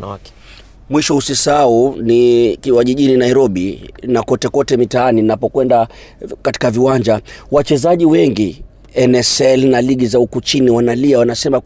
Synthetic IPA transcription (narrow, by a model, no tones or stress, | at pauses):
k | mwiʃɔusisaunikiwaʄiʄininaiɾɔɓinakɔtɛkɔtɛmitaaninapɔkwɛnda | kati̥kaviwaɲd͡ʒawat͡ʃɛzaʄiwɛŋɡi | ɛnɛsɛlnaliɠizaukut͡ʃiniwanaliawanasɛma